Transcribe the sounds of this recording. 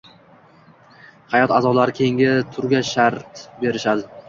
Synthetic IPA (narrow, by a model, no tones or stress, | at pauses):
hajɒt̪azɒlaɾɪkʲʰe̞ŋʲɪt̪ʰʊɾɡʲaʃaɾt̪be̞ɾɪʃad̪ɪ